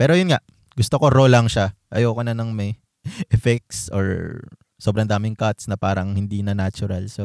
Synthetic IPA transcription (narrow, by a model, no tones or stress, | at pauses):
pɛːɾojʊnŋaʔ | ɡʊst̪okoɾolɐŋʃaʔɐjokonɐnɐŋmɐj | ʔɛfɛk̚sʔo̰ɹ | sobɾɐnd̪aːmɪŋkat̪snɐpaːɾɐŋhɪnd̪iːnɐnat͡ʃʊɾalso